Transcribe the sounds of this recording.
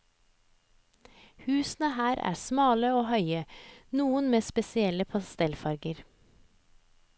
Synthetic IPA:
hʉːsn̩əhæːɾʔæ̰ːsmɑːləoːhœʏənuːənmeːspɛsɪɛləpʰɑst̪ɛlfɑɾɡəɾ

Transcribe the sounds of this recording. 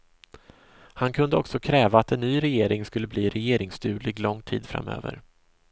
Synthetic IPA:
hankʰɵnd̪əɔksɔkʰɾɛːvaːt̪ɛnːyːɾɛjeːɾɪŋskɵlːəbliːɾɛjeːɾɪŋst̪ʰʉ̟ːɭɪɡlɔŋːt̪ʰḭːd̪fɾa̰mːø̰ːvə̰ɾ

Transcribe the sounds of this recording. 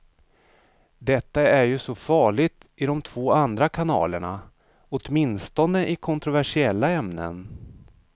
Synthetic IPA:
d̪ɛt̪ːaæɾjɵsɔfɑːɭɪt̪ | ɪd̪ɔmt̪ʰv̥oːand̪ɾakʰanɑ̰ːləɳa̰ | ɔt̪mɪnst̪ɔnd̪əʔɪkʰɔnt̪ɾʊvæʂɪɛlːaɛmnə̰n

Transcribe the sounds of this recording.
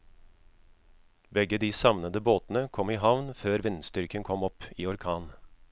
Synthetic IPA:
bɛɡəd̪iːsɑʋnəd̪əboːt̪n̩əkʰɔmiːɦɑʋnføːɾʋɪnst̪ʏɾkənkʰɔmɔpiːɔɾkʰɑːn

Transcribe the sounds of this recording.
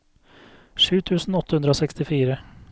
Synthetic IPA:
ʂʉːt̪ʰʉːsn̩ɔt̪ːəhʉnd̪ɾəoːsɛkst̪ɪfiːɾə

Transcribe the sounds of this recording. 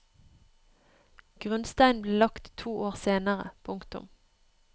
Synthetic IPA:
ɡ̥ʁʉnst̪æɪnbleːlɑkt̪ʰuːʔoːʁseːnəʁə̰pʰʊŋkt̪ʊ̰m

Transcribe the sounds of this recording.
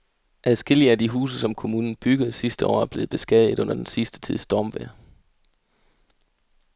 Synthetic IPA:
ʔæðˠsɡ̥e̝l̰iəæd̥iɦṵːs̬əsɒ̽mkʰo̝muːnn̩b̥yɡ̥əð̞̩ˠsisd̥əɒ̰ːæb̥le̝ːb̥e̝sɡ̥ɛðˠð̩ˠɔ̽n̰ɐd̥ensisd̥ə̥t͡sʰiðˠsd̥ɒːmʋæɐ

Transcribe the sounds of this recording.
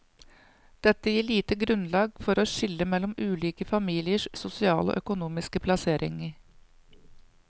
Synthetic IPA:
d̪̥ɛt̪ːəjiːɭiːt̪əɡɾʉnlɑːɡfɔɾoːʃɪlːəmɛlːɔmʉːliːkəfɑmiːlɪəʂsʊsɪɑ̰ːlo̰ːʔœkʊnuːmɪskəpʰlɑseːɾʔɪ̰ŋəɾ

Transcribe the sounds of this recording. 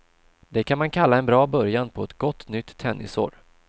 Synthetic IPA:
d̪̥ɛkʰanmankʰalːaɛnbɾɑːbœɾjanpʰɔɛt̪ɡɔt̪ːnʏt̪ʰːɛnːɪ̰so̰ːɾ

